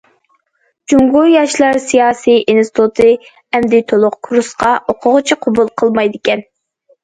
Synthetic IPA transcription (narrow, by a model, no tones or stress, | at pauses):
d͡ʒuŋɡujɑʃlˠɑɾsijɑːsijinsɪ̥t̪ʰut̪ʰɨ | ɛmd̪ɪt̪ʰolˠʊqkʰuɾusqɑoqʰʊʁʊt͡ʃʰɪqʰobulˠqʰəlˠmɑjd̪ɪkʲɛn